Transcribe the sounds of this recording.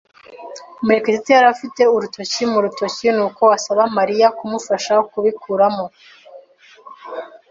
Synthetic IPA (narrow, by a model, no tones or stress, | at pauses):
meɾekesitejaɾafite̞uɾuto̞cimuɾuto̞cinuːko̞wasaβamaɾijakumufaʃakuβikʰuɾamo̞